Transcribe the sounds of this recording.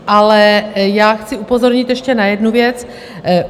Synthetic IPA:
ʔalɛjaːxt͡sɪupo̞zoɾɲɪt̪jɛʃcɛnajɛdnuvjɛt͡s

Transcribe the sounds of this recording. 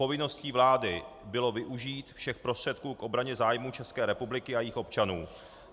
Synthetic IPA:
o̞vɪno̞sciːvlaːdɪbɪlo̞vɪʔuʒiːt̪fʃɛxpɾost̪r̝̥ɛt̪̚kuːkʔo̞bɾaɲɛzaːjmuːt͡ʃɛskɛːɾɛpublɪkɪajixʔo̞pt͡ʃanuː

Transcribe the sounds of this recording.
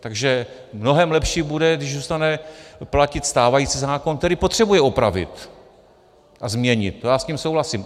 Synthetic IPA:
t̪aɡʒɛ | mno̞ɦɛmlɛpʃiːbudɛɡdɪʒzust̪anɛplacɪt̪st̪aːvajiːt͡sizaːkonk̚t̪ɛɾiːpot̪r̝̥ɛbujɛopɾavɪ̰t̪ | ʔazmɲɛɲɪ̰t̪̚jaːscimsowɦlasim

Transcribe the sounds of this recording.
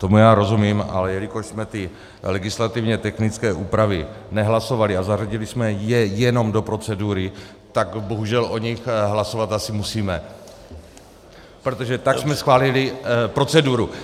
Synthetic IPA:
t̪o̞mujaːɾo̞zumiːmʔa̰lɛjɛlɪko̞ʃsmɛt̪ɪ | lɛɡɪslat̪ɪvɲɛt̪ɛxnɪt͡skɛːʔuːpɾavɪ | nɛɦlaso̞valɪazaraɟɪlɪsmɛjɛjɛno̞mdo̞pɾo̞t͡sɛduɾɪ | t̪akbo̞ɦuʒɛlʔo̞ɲixɦlaso̞vat̪asɪmusiːmɛ | pɾot̪oʒɛt̪aksmɛsxvaːlɪlɪpɾo̞t͡sɛduɾu

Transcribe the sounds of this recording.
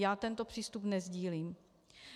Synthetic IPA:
jaːt̪ɛnt̪opr̝̥iːst̪upnɛzɟiːliːm

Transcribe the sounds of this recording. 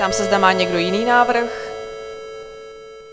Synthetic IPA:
amsɛzdamaːɲɛɡdo̞jɪniːnaːvr̩x

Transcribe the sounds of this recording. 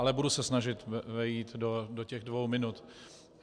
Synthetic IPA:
alɛbudusɛsnaʒɪt̪vɛjiːt̪dodocɛɣdvowmɪnut̪

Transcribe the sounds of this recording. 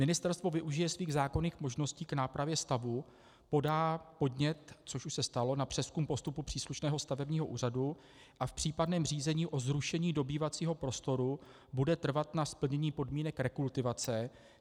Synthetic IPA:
mɪnɪst̪ɛɾst̪vo̞vɪʔuʒɪjɛsviːɣzaːko̞niːxmo̞ʒno̞sciːknaːpɾavjɛst̪avu | po̞daːpo̞dɲɛt̪t͡so̞ʃuʃsɛst̪alo̞napr̥ɛskumpo̞st̪upupr̥iːsluʃnɛːɦost̪avɛbɲiːɦo̞ʔṵːr̝adu | ʔafpr̝̥iːpadnɛːmr̝iːzɛɲiːʔo̞zɾuʃɛɲiːdo̞biːvat͡siːɦo̞pɾo̞st̪o̞ɾu | budɛt̪r̩vat̪naspl̩ɲɛɲiːpo̞dmiːnɛkɾɛkult̪ɪvat͡sɛ

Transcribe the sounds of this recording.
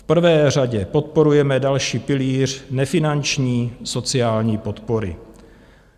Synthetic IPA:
fpr̩vɛːr̝aɟɛpo̞t̪̚po̞ɾujɛmɛdalʃiːpɪliːr̝̥nɛfɪnant͡ʃɲiːso̞t͡sɪaːlɲiːpot̪poɾɪ̰

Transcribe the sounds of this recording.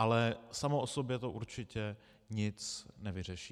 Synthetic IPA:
ʔalɛsamoʔosobjɛt̪oʔuɾt͡ʃɪcɛ | ɲɪt͡snɛvɪr̝ɛʃiː

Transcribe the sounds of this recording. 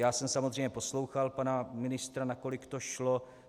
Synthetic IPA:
jaːsɛmsamozr̝ejɲɛpo̞slo̞wxalpanamɪnɪst̪ɾanako̞lɪkt̪oʃlo̞

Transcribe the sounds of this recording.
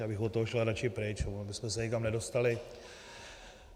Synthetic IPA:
abɪxot̪ːoɦoʃlaɾat͡ʃɪpɾɪt͡ʃonabɪsmɛsɛɲɛkamnɛdo̞st̪alɪ

